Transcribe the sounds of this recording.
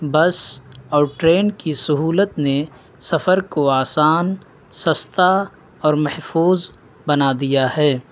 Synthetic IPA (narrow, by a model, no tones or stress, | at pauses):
bɐsɔːɾʈɾeːnkisʊɦuːlət̪ne | sɐfəɾkoaːsaːn | sɐst̪a | ɔːɾmɐhfuːz | bɐnad̪ijahɛː